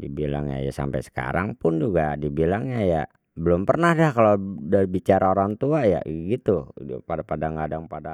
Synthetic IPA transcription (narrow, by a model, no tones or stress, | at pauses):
dibila̰ŋɲa̰ja̰sa̰mpa̰jsə̥ka̰ɾaŋpʊnd͡ʒuɡadibilaŋɲaja̰ | bəlʊmpərnahdahkalodaɾibit͡ʃaɾaoɾaŋt̪uaja̰ɡit̪upadapadaŋɡadaŋpada